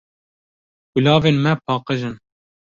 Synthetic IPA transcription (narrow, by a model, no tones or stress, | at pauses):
wulɑːveːnmɛpʰɑːqəʒɨn